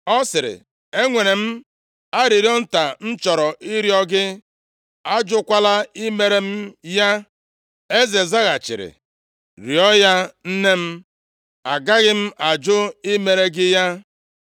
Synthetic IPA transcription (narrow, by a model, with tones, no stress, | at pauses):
ɔ˦sɪ˨ɾɪ̰˨ | e˦ŋʷe˨ne˨m̩˦ | a˦ɾɪ˨ɾi˦ɔ˦n̩˦ta˨n̩˦t͡ʃɔ˨ɾɔ˨ʔi˦ɾi˦ɔ˦ɡɪ˦ | a˦d͡ʒʊ˦kʷa˦la˦i˦me˨ɾe˦m̩˦ja˦ | e˦ze˨za˦ɣa˨t͡ʃɪ̰˨ɾɪ̰˨ | ɾi˨ɔ˦ja˦n̩˦ne˦m̩˦ | a˨ɡa˦ɣɪ˦m̩˦ʔa˨d͡ʒʊ˦ɪ˦me˨ɾe˦ɡɪ˦ja˦